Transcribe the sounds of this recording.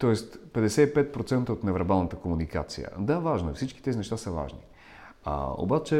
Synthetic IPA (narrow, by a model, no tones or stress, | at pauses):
t̪ɔɛst̪pɛd̪ɛsɛipɛt̪̚pɾot̪sɛnt̪əot̪nɛvɛɾbalˠnət̪əkomunika̰t̪sijə̰d̪avaʒnoifsit͡ʃki̥t̪ɛzinɛʃt̪asəva̰ʒni | a̰o̰bat͡ʃɛ